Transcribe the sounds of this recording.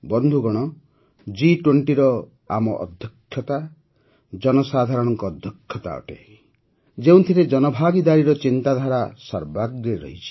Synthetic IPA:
bɔnd̪ʱuɡɔɽ̃ɔ | d͡ʒiʈweɳʈiɾɔ | a̰mɔ̰ʔɔ̰d̪ʱjɔkʰːjɔt̪a | d͡ʒɔnɔsad̪ʱaɾɔɽ̃ɔŋkɔːd̪ʱjɔkʰjɔt̪a̰ɔ̰ʈḛi | d͡ʒeũw̃t̪ʰiɾed͡ʒɔnɔbʱaɡid̪aɾiɾɔt͡ʃint̪ad̪ʱaɾasɔɾbaɡɾeɾɔ̰ɦit͡ʃʰi̥

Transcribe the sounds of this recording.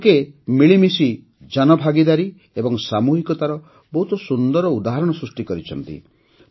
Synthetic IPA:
kemiɭimisi | d͡ʒanɔbʱaɡid̪aɾi | ebɔŋsamuɦikɔt̪aɾɔ | bɔɦut̪ɔsund̪ɔɾɔud̪aɦaɾɔɽ̃ɔsɾusʈikɔɾit͡ʃʰɔnt̪ḭ

